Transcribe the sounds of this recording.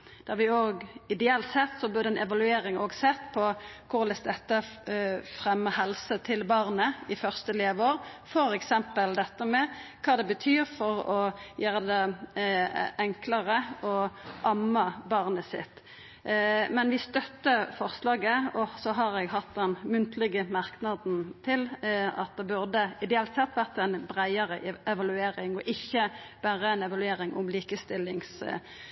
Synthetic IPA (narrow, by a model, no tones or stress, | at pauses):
d̪̥æʁʋɪoːɡɪd̪ɛɛlt̪sɛt̪ːsɔbʉːd̪ɛnʔɛʋɑlʉeːɾɪŋoːɡsɛt̪ːpʰɔkʰʊɾlɛsd̪ɛt̪ːə | fɾɛmːəɦɛlsət̪ʰɪlbɑʁnəɪfœʁst̪əleːʋoːʁfɔɾɛksɛmpəld̪ɛt̪ːəmɛkʰɑːd̪ɛbət̪ʰyːɾfɔɾɔjøːɾəd̪ɛ | ʔɛŋkləʁəɔʔɑmːɑbɑʁnəsɪ̰t̪ː | mɛnʋɪst̪œt̪ːəfɔʁslɑːɡəɔsɔɦɑɾɛɡɦɑt̪̚d̪ɛnmʉnt̪ʰlɪɡəmɑʁknɑd̪n̩t̪ʰɪlɑ̰t̪̚d̪ɛbʉʁd̪əɪd̪ɛɑːlt̪sɛt̪ʋæʁt̪æɪnbʁæɪəʁə̰ʔɛʋɑlʉeːɾɪŋɔʔɪçːəb̥æːʁəæɪnɛʋɑlʉeːɾɪŋʔʊ̰mliːkəst̪ɪlːɪŋs